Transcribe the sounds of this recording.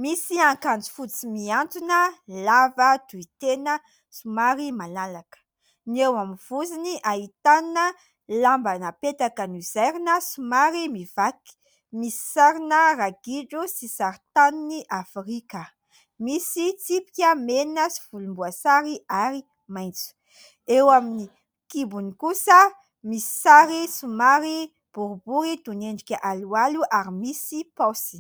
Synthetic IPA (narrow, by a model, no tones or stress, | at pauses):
misiaŋkand͡zi̥fut͡simiant̪unəlavəd̪uit̪enə | sumaɾimalalakə̥ | niewamiv̥uziniʔait̪anə | lambanəpet̪akənizaɾinəsumaɾimivaki̥ | misi̥saɾinəraɡiɖ͡ʐusisaɾit̪aniniʔafrikə | misit͡sipi̥kʲəmeninəsi̥vulumbuasaɾiʔaɾi | majnt͡su̥ | ewamini | kibunikusə | misi̥saɾisumaɾi | b̥uɾubuɾid̪uneɳɖ͡ʐikʲaʔalualuʔaɾimisipɔsi̥